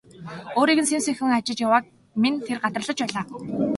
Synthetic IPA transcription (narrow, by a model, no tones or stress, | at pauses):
oːɾiːkɘ̆nsensĭŋxʲɘ̆ŋat͡ɕɪ̆t͡ɕjawaːk̚ | mint̪ʰerɢat̪rə̆ɮə̆t͡ɕpæːɮaː